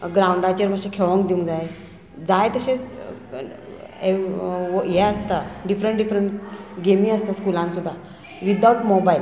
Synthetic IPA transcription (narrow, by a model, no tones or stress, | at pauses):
ɡɾauɳɖat͡ɕəɾmaɕekʰeɭə̃ŋkd̪iũŋɡd͡zaje | d͡zajt̪əɕẽt͡s | e | jɛəst̪aɖifɾəɳʈɖifɾəɳʈɡemĩəst̪askulãnsud̪ʱːa | ʋid̪auʈmɔbail